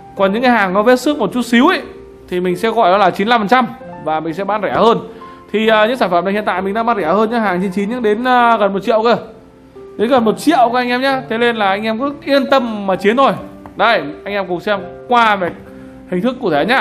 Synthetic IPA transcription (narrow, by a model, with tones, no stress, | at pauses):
kɔ˨˩nɲɨ̰˧˥ŋkaː˧jɦaː˨˩ŋnɔ˨˦ve˦˥t̚sɨ˦˥k̚mo˨˩t̚t͡ɕu˦˥t̚si˨˦wʔə˦ | t̪ʰi˨˩mï˨˩ŋ̟sɛ̰˧˥ɣɔ̰˧˩jɗɔ˨˦laː˨˩t͡ɕi˨˦nla˧mfə˨˩nt͡ɕa˧mvaː˨˩mï˨˩ŋ̟sɛ̰˧˥ɓaː˧˩nzɛ˧˩həː˧n | t̪ʰi˨˩əː˨˩ɲɨ̰˧˥ŋsaː˧˩nfə˧˩mna˧˩hḭ˧˨nt̪a̰ː˧˨jmï˨˩ŋ̟ɗaː˧˥ɓaː˧nzɛ˧˩həː˧nɲɨ̰˧˥ɦaː˨˩ŋt͡ɕi˧nt͡ɕi˨˦nɲɨ̰˧˥ŋɗe˨˦nː˧ɣə˨˩nmo˨˩t̚t͡ɕḭ˧˨ə˨wke˧˩ | ɗe˨˦nɣə˨˩nmo˨˩t̚t͡ɕḭ˧˨əwkːa˧jŋʔɛ˧mɲaː˧t̪ʰe˨˦le˧nlaː˨˩ʔa˧ŋʔɛ˧mkɔ˨˦ʔi˧ənt̪ə˧mmaː˨˩t͡ɕi˨˦ənt̪ʰo˨˩jɗə˨˧jʔa˧jŋʔɛ˧mkʊ˨˩ŋ͡m̚sɛ˧mkwaː˧ma˨˩ | hï˨˩ŋ̟t̪ʰɨ˦˥kːu˧˩ət̪ʰe˧˩ɲaː˦˧